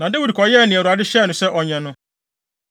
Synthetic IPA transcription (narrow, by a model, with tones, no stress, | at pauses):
nã˨de˦wi˨dkʰɔ˨jɛ˦˨nɪ̃˨ɛ˨ɾu˨a˨dɪ˦ɕɛ˦˨nʊ̃˨sɛ˦ʔɔ˨ɲɛ̃˨nʊ̃˦